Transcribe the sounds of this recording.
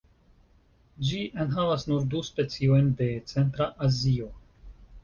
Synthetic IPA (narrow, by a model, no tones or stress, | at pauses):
d͡ʒiʔenɦavasnuɾduspe̞t͡sio̞jnde̞t͡se̞nt̪ɾaʔazio̞